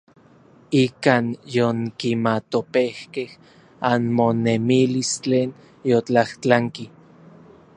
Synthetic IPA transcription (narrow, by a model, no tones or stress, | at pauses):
ikaːnjoŋkimat̪opehkeh | anmonemilist͡ɬeːn | jot͡ɬaht͡ɬaŋki